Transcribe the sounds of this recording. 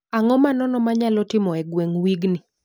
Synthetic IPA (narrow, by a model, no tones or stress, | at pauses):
aŋɔmanɔnɔmaɲalɔtɪmɔɛɡweŋwiɡnɪ